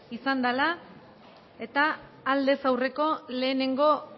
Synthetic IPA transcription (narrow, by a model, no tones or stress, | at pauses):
isand̪ala | e̞t̪aː | ld̪e̞sawre̞ko̞le̞ːne̞ŋɡo̞